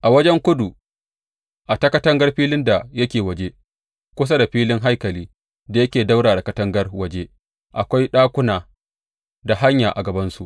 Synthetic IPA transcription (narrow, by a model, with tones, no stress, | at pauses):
ʔa˨wɐ˦d͡ʒɛ˦ŋkʷʊ˦du˨ | ʔa˨tɐ˦kɐ˦tɐ˦ŋɡɐ˦rɸiː˦lɪ˦nda˨jɐ˦kʲeː˨wɐ˨d͡ʒe˦ | kʷʊ˦s̬a˦da˨ɸiː˦lɪ˦ŋɦa˦jkɐ˨liː˦ | da˨jɐ˦kʲeː˨da˦wɽaː˨da˨kɐ˦tɐ˦ŋɡɐ˦rwɐ˨d͡ʒe˦ | ʔa˨kʷa˦jɗaː˦kʷʊ˦naː˨ | da˨ɦa˦ɲjaː˨ʔa˨ɡɐ˨bɐ˦nsu˨ʔ